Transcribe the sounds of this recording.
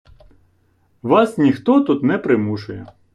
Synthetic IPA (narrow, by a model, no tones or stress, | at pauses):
ʋɑsnʲixt̪ɔt̪ut̪nɛpɾɪmuʃʊjɛ